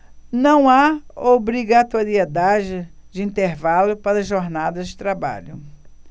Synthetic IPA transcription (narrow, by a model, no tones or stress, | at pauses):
nɐ̃w̃aobɾiɡat̪oɾied̪ad͡ʒɪd͡ʒɪĩnt̪eɾvalʊpaɾɐʒoɾnad̪ɐd͡ʒɪt̪ɾaba̰ʎʊ